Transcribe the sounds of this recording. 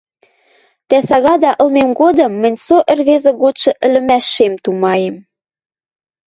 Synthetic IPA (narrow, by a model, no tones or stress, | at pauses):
t̪æsɑɣɑd̪ɑʔɤ̆lmemɡod̪ɤ̆mːɘ̆nʲsoʔə̆rβezĕɣot̪ʃɤ̆ʔɘ̆lɘ̆mæʃːemt̪umɑjem